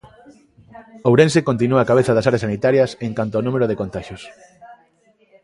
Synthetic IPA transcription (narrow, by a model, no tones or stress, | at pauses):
owɾẽnsekont̪inuaːkaβeθɐðɐsaɾeɐsanit̪aɾjɐseŋkant̪oɔnumeɾoðekont̪aʃjos